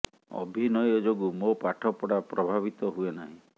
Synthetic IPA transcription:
ɔ̰bʱinɔjɔd͡ʒoɡumopaʈʰɔpɔɽapɾɔbʱabit̪ɔɦuenaɦĩ

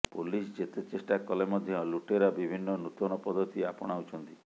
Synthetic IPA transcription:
pulisd͡ʒet̪et͡ʃesʈakɔlemɔd̪ʱjɔluʈeɾɔbibʱinːɔnut̪ɔñɔpɔd̪ɔt̪iapɔɽ̃aut͡ʃʰɔnt̪i

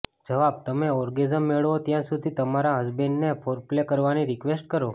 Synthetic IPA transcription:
d͡ʒəʋab̚t̪əmeɔɾɡezəmːeɭʋot̪jãsud̪ʱit̪əmaɾaɦəzbenːepʰoɾplekəɾʋaniɾikʋesʈkəɾo

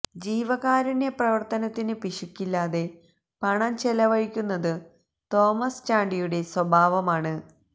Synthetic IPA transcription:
d͡ʑiːʋɐɣaːɾineprɐʋɐrt̪ɐnɐt̪ːinɨpiʂukʲːilːaːðe̞ | pɐɳɐmt͡ɕelɐʋɐɻikʲːunːɐðɨ | t̪o̞ːmɐst͡ɕaːɳɖijuɽe̞swɐbʱaːʋɐmaːɳɨ

